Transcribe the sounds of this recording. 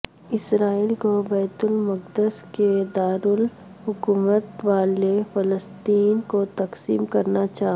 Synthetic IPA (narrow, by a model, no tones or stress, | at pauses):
ɪsɾaːiːlkobɛːt̪ʊlmɐq̚d̪əsked̪aːɾʊl | ɦʊkuːmət̪ʋaːlefɐləst̪iːnkot̪ɐqsiːmkɐɾnat͡ʃaːɦ